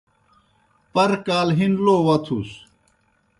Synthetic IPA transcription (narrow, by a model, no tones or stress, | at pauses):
pɐɾkaːlɦinloːwɐt̪ʰṵs